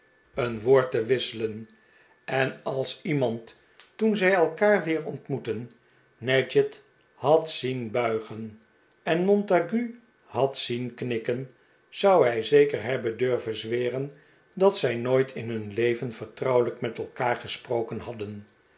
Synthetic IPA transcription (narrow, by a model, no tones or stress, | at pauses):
ənʋoːɹtəʋɪsələn | ɛnɑlˠsimɑnt | tunzɛjɛlˠkaːɹʋɪːɹɔntmutənː | ɛd͡ʒət | hɑtsinbœɥχən | ɛnmɔntaɡy | hɑtsinknɪkən | z̥ʌwɦɛjzejkəɹɦɛbəndøɹvənzʋɪːrən | dɑtsɛjnoːjtʰɪnɦɵnlejvənfəɹtrʌwləkmɛtɛlˠkaːɹχəsprowkənɦɑdən